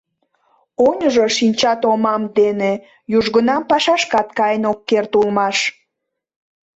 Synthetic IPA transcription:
onʲəʒoʃinʲt͡ɕɑt̪omɑmd̪ene | juʒɣənɑmpɑʃɑʃkɑt̪kɑjənokːert̪ulmɑʃ

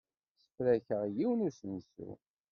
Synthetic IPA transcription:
sə̥flæçəʁjiwnisənsṵ

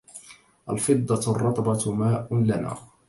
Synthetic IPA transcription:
ʔalfɨd̪ˤːɑrˤːɑt̪ˤbɑmaːʔʊlana̰ː

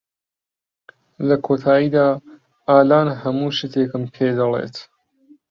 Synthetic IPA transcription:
lɐkʰoːt̪ʰaːjiːd̪aː | aːlaːnhɐmuːʃɨt̪ʰeːkɨmpʰeːd̪ɐlḛːt̪

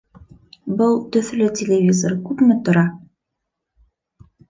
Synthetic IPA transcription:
bɤlˠt̪ɵ̆θlɵtʲɪlʲɪvʲizoɾkʉpmɘt̪ŏɾɑ

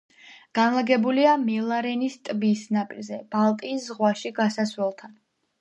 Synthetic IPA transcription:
ɡ̥anlˠaɡɛbuliamɛlˠaɾɛnist̪ʼbisnapʼḭlzɛb̥alˠt̪ʼiːszʁwaʃiɡasasɾɛlˠt̪ʰan

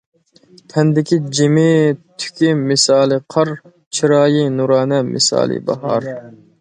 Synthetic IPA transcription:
t̪ʰɛnd̪ɪkʲid͡ʒimɪt̪ʰy̥kʲimɪsɑːlˠɨqʰɑɾ | t͡ʃʰiɾɑːjinuɾɑːnɛmɪ̰sɑ̰ːlˠɨ̰bɑ̰hɑ̰ɾ

